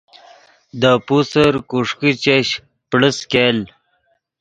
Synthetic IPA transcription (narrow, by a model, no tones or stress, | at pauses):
d̪əpusəɾkuʂkit͡ɕeɕ | pɽəskel